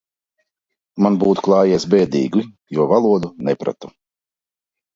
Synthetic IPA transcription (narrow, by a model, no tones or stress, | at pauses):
manbuːt̪u̥klˠɑːjɛːsbɛːd̪ḭːɡi | juɔvalˠuɔd̪unɛpɾa̰t̪u̥